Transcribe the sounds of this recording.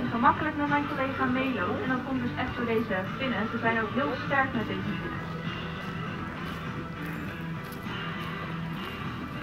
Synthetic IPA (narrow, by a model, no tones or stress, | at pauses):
nχəmɑkələkmɛtmɛjnkolejχaːmejlowɛndɑtkɔmdɵsɛχtdʊːɹdejzəb̥ɪnəzəzɛjnowkɦɪːlˠstɛɹkmɛtdejzəbulə